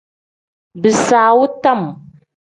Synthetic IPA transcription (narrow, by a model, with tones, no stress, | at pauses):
bɨ˨saː˨wʊ˦ta˦m˨